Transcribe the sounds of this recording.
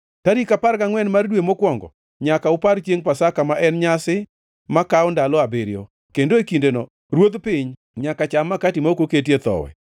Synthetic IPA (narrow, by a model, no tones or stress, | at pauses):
taɾikapaɾɡaŋwɛnmardwemokwɔŋɡɔ̰ | ɲakaʊpaɾt͡ʃeŋpasakamaʔɛnɲasɪ | makaʊndalɔabeɾjo̰ | kendoekindenɔ | ɾwod̪pɪɲ | ɲakat͡ʃamːakatimaokoketjet̪ɔ̰wɛ̰